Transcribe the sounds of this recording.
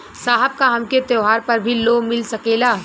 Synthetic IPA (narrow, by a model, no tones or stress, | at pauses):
saːɦəb̚kaɦɐmket̪eɦaːɾpɐɾbʱilomɪlsɐkeːlaː